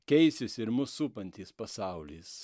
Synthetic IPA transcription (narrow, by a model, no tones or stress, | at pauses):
kʲɛɪsʲɪsɪɾmʊsupɐnʲt̪ʲiːspɐsɑˑʊlʲiːs